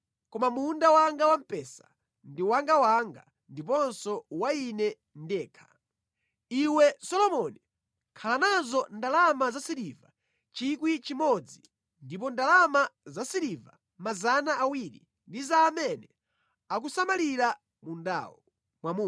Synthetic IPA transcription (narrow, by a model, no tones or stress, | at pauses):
kɔmamundawaŋɡawam̩pɛsḁ | ndiwaŋɡawaŋɡa | ndip̬ɔnsɔwainɛ | ndɛːkʰḁ | iwɛsɔlɔmɔni | kʰalanazɔndalamazasiɾiva | t͡ʃikwit͡ʃimɔd͡zi | ndip̬ɔndalamazasiɾiva̰ | mazanaawiɾḭ | ndizaːmɛnɛ | ak̬usamaliɾa | munda̰ːwɔ | mwamuː